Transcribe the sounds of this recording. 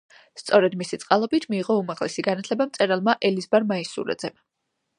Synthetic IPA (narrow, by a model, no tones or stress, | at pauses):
st̪sʼɔɾɛd̪misit̪sʼqʼalˠɔbit̪ʰmiːʁɔumaʁlɛsiɡanat̪ʰlɛbamt̪sʼɛɾalˠmaʔɛlizbaɾmaisṵɾɛ̰d̪zɛm